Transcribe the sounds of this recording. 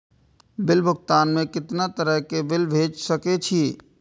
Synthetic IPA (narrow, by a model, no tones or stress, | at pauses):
bɪlbʱʊɡ̚t̪aːnmẽkɪt̪nat̪əɾəɦkebɪlbʱeːd͡ʒsɐket͡ʃʰi